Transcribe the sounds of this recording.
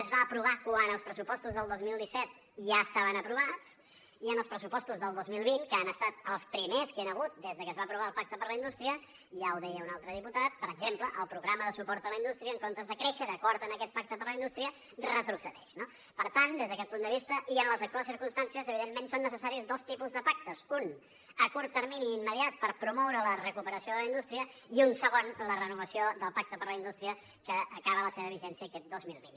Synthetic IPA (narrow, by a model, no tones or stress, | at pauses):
əzβaəpɾuβ̞akwanəlˠspɾəsupɔst̪uzðəlˠd̪ozmilˠd̪isɛt̪̚ | ʒaəst̪aβənəpɾuβat͡s | iənəlˠspɾəsupɔst̪uzðəlˠd̪ozmilˠβinkəanəst̪at̪əlˠspɾimeskenəɣ̞ut̪̚d̪ezðəkəzβaəpɾuβaəlˠpak̚t̪əpəɾləind̪ust̪ɾiə | ʒaəlˠd̪ɛjəunalˠt̪ɾəðiput̪at̪̚pəɾəɡzempləʔəlˠpɾuɣɾaməðəsupɔɾt̪ələind̪ust̪ɾiəːŋkont̪əzðəkɾeʃəðəkɔɾt̪ənəkɛt̪̚pak̚t̪əpəɾləind̪ust̪ɾiə | rət̪ɾusəðɛ̰ʃno | pəɾt̪and̪ezðəkɛt̪̚pund̪əβist̪əʔiənləzək̚t̪uasiɾkumst̪ansiəzəβiðemːensonːəsəsaɾiəzd̪ost̪ipuzðəpak̚t̪əsun | əkuɾt̪ːəɾminiːmːəðiat̪̚pəɾpɾumɔwɾələrəkupəɾəsioðələind̪ust̪ɾiəiunsəɣonlərənuβəsioðəlˠpak̚t̪əpəɾləind̪ust̪ɾiə | kəːkaβələseβəβ̞iʒɛnsiəːkɛt̪̚d̪ozmilˠβḭn